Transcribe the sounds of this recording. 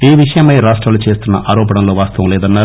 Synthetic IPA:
iːʋiʂɐjɐmɐjɾaːʂʈɾaːlut͡ʃeːst̪unːɐ̰ʔaːɾɔːpɐɳɐmlo̞ːʋaːst̪ɐʋɐmlɛːd̪ɐnːaːɾu

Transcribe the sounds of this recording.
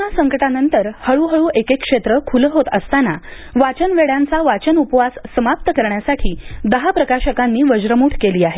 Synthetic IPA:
asəŋkəʈanənt̪əɾhəɭuɦəɭuːʔekekkʂet̪ɾəkʰuləɦot̪əst̪ana | ʋat͡ɕənʋeɭjant͡saʋat͡ɕənupʋasːəmap̚t̪əkəɾɳjasaʈʰiːd̪əɦapɾəkaɕəkanːiːʋəd͡ʑɾəmuːʈʰkeliːaɦe

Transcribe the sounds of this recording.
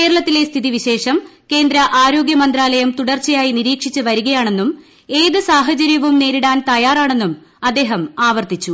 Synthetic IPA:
ke̞ːɾɐɭɐt̪ːile̞st̪ʰiðiʋiɕe̞ːʂɐmke̞ːnd̪ɾɐʔaːɾo̞ːɡjɐmɐnd̪ɾaːlɐjɐmt̪uɽɐrt͡ɕːɐjaːjiniɾiːkʂit͡ɕːɨʋɐɾuɣɐjaːɳe̞nːum | e̞ːðɨsaːɦɐt͡ɕɐɾjɐʋumne̞ːɾiɽaːnt̪ɐjaːraːɳe̞nːum | ɐd̪ːe̞ːɦɐmaːʋɐrt̪it͡ɕːu

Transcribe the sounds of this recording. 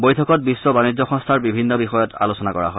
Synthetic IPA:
bojtʰɔkɔt̚bisːɔbanid͡ʑɔxɔ̃ŋstʰaɹbibʱinːɔbixɔjɔtʰa̰losɔnakɔɹa̰ɦɔj

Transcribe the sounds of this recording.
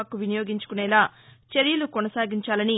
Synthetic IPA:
kːuʋinɐjo̞ːɡiɲt͡ʃu̥kunɛːlaːt͡ʃeɾjulukɔnɐsaːɡiɲt͡ʃaːlɐni

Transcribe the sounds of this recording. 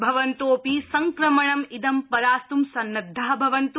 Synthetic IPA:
bʱɐʋɐnt̪oːpisɐŋkɾɐmɐɳɐmid̪ɐmpɐɾaːst̪umsɐnːɐd̪ʱːaːɦɐbʱɐʋɐnt̪

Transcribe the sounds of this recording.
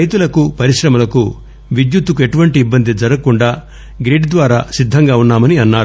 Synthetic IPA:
ɾɐjt̪ulɐkupɐɾiʂɾɐmɐlɐku | ʋid̪jut̪ːukueʈuʋɐɳʈiːbːɐnd̪ʱid͡ʒɐɾɐkuɳɖaː | ɡɾeːʈd̪ʋaːɾaːsid̪ʱːɐŋɡaːunːaːmɐniɐnːaːɾu

